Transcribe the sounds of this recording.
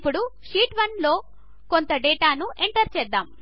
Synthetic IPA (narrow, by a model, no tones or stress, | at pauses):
pːuɽuʂiːʈʋɐnlo̞ː | ko̞nt̪ɐɖeːʈaːnuʔeɳʈɐɾt͡ʃɛːd̪ːaːm